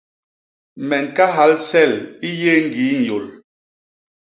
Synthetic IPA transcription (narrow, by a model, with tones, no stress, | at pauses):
mɛ˨ŋ˨ka˦ɦa˨˦lsɛ˦˨li˦je˦ŋ̩˦˨ɡi˨˦n̩˨jo˨l